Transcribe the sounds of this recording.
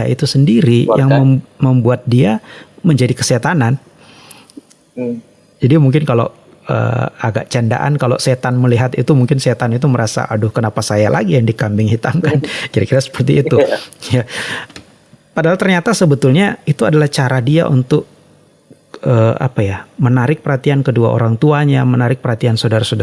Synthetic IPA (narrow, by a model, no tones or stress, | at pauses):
jaḭt̪usəndiɾijʔaŋməməmbuat̪̚diaməɲd͡ʒadikəset̪anan | d͡ʒadimuŋk̬ɪnkalo̰ | ə̰a̰ɡa̰ʔt͡ʃanda̰ʔa̰nkalo̰set̪anməliɦat̪it̪umuŋkɪnset̪anit̪uməɾasa̰ʔadʊhkənapasajalʔa̰ɡijaŋdikambɪŋhit̪amkankiɾakiɾasə̥pərt̪iːt̪uja | padaɦalt̪ərɲat̪asəbət̪ʊlɲait̪uadalaht͡ʃaɾadia̰ʔunt̪ʊk̚ | əa̰pajamənaɾɪk̚pəɾhat̪iankəduaʔo̰ɾaŋt̪uaɲamənaɾɪk̚pərhat̪iansodaɾasodaa